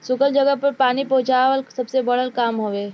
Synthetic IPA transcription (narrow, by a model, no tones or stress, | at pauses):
sʊkəld͡ʒəɡəpəɾpaːnipɐɦʊ̃t͡ʃaːʋəlsɐbsebɐɽ̤əlkaːmɦoːʋeː